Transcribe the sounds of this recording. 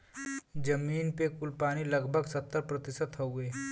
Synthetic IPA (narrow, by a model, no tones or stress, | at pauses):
d͡ʒəmiːnpekʊlpaːnilɐɡbʱəɡsət̪ːəɾpɾət̪ɪsət̪ɦoɡeː